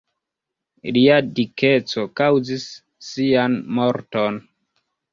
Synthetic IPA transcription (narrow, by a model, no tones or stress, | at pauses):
liadiket͡so̞kawzisː | ianmoɾton